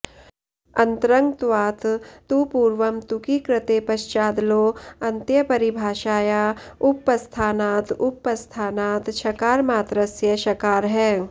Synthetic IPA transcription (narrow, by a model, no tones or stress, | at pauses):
ɐ̃nt̪ɾɐŋɡt̪ʋaːt̪t̪upuːɾʋɐmt̪ukikɾɪt̪eːpɐʃt͡ʃaːd̪loːɐ̃nt̪jɐpɐɾibʱaːʃaːjaːʊpːɐst̪ʰaːnaːt̪ʊpːɐst̪ʰaːnaːt̪ʃʰɐkaːɾmaːt̪ɾɐsjɐʃɐkaːɾɦɛː